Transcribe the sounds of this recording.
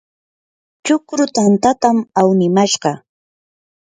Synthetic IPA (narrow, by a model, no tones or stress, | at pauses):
t͡ʃʊkɾʊt̪ant̪at̪amawnɪmaʃɢɑ